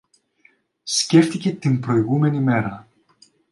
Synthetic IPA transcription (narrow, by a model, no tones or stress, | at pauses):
sce̞ft̪ice̞t̪imbɾo̞iɣume̞nime̞ɾɐ